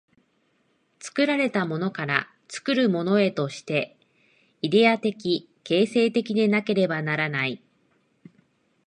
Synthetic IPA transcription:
t͡sɨ̥kɯ̟ɾaɾe̞t̪amo̞no̞kaɾa̰ | t͡sɨ̥kɯ̟ɾɯ̟mo̞no̞e̞t̪o̞ɕi̥t̪e̞ | id̪e̞at̪e̞kʲi | ke̞ːse̞ːt̪e̞kʲid̪e̞nake̞ɾe̞banaɾanai

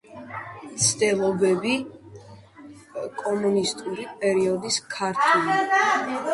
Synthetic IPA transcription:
mt̪sʰd̪ɛlˠɔbɛbi | kʼɔmunist̪ʼuɾipʼɛɾiɔd̪iskʰaɾt̪ʰul

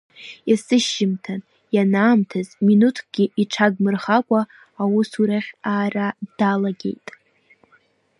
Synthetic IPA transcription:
jasɨʃːɪmtʰa | janaːmtʰazminutʰɡ̥ʲɪʔiʈ͡ʂʰaɡmɨrχakʷʼaː | wʊsuɾaχʲaːrad̥alaɡʲe̞̰jtʼ

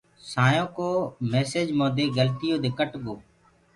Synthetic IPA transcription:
saːjõːkoːmeːseːd͡ʒmõːd̪eːɡəlt̪ɪjõːd̪eːkəʈɡoː

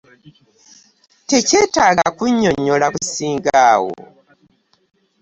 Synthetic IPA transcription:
te̞ce̞ːtaːɡakuɲːoɲːolakusiːŋɡaːwo̰

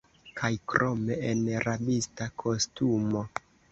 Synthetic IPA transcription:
kʰajkɾʔo̞me̞enɾabistakʰo̞stumo̞

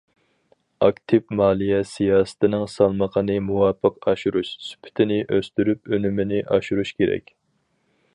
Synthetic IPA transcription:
ɑkt̪ʰɪpmɑːlˠijɛsijɑːsɨ̥t̪ʰɪnɨŋsɑlˠməqʰənɨmuwɑːpʰːəqɑʃuɾuʃsy̥pʰːɪ̥t̪ʰɪnɪʔøst̪yɾypønymɪnɪʔɑʃuɾuʃkʲʰeɾɛ̰kʲ

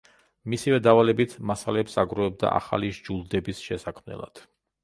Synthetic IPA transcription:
misivɛd̪avalɛbit̪ʰmasalɛpsaɡɾɔɛb̚d̪a̰ʔa̰χa̰liʒd͡ʒulˠd̪ɛbisʃɛsakʰmnɛ̰lˠa̰d̪̥

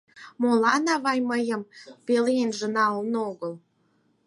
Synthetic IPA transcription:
molɑnɑβɑjməjəmpelenʒə̆nɑolnoɣəl

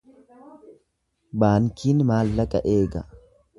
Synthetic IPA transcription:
baːŋkiːnmaːlːɐkʼɐʔeːɡɐ

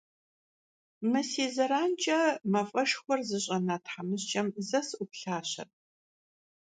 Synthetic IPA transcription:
mɨseːzɐɾaːnt͡ʃʼɐmɐfʼɐʃxʷɔrzɨɕʼɐnaːtʰħamɨɕt͡ʃʼɐmzɐsʔʊpɬaːɕɐ̰r

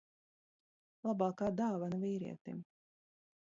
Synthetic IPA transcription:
lˠabɑːkaːd̪aːvanviːɾḭɛt̪ḭm

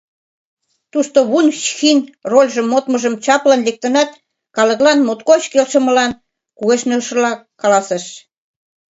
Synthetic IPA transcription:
t̪uʃt̪oβunʲɕxinrolʲʒə̆mːot̪məʒəmt͡ɕɑplɑnlek̚t̪ə̆nɑt̪ | kɑləklɑnmot̪kot͡ɕkelʃə̆mə̆lɑn | kuɣeʃnøʃəlɑkɑlɑseʃ

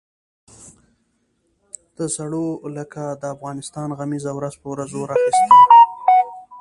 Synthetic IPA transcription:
d̪̥əsaɽoləkad̪əafɣɑnɪst̪ɑnɣamizawɾazpəwɾazoɾaxist̪

